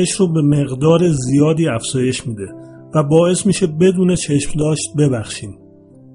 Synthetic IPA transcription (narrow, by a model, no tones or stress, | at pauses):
eʃɾobeme̞ɣd̪ɒːɾe̞zijɒːd̪iːæfz̥ɒːje̞ʃmiːd̪e̞væbɒːe̞smiːʃe̞be̞d̪uːne̞t͡ʃʰe̞ʃmd̪ɒːʃt̪̚be̞bæxʃiːm